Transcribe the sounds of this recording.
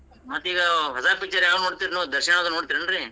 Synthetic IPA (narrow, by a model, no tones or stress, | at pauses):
mɐt̪ːiːɡɐɦɐzaːɾpik̚t͡ʃɐɾjaːʋɐnoːɽt̪iɾnod̪ɐɾʃɐanɐd̪unoːɽt̪iːɾɐɳɾi